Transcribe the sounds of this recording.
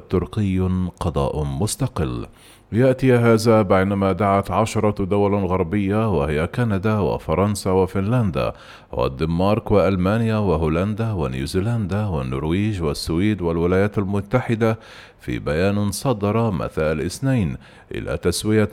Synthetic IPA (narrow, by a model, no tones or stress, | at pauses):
t̪ʊɾqɪjːqɑd̪ˤɑ̰ːʔmʊst̪ɑqɪlː | jaʔt̪ɪɦaːzabajnamad̪aʕat̪ʕaʃɑɾˤɑd̪ʊwalɣɑɾˤbɪjːawahɪjakanad̪awɪ̰fɑɾˤɑnsawɪfɪnland̪a̰ | wa̰d̪ɪmmɑːɾˤkwɪʔalmaːnjawɪɦuːland̪awanjṵːziːland̪awɪnːʊ̰ɾwiːʒwasːwiːd̪walwɪlaːjaːt̪almʊt̪ːaħɪd̪a | fḭːbajaːnsˤɑd̪ɑɾˤɑma̰θaːʔlʔɪsnajn | ʔɪ̰la̰ːt̪aswɪja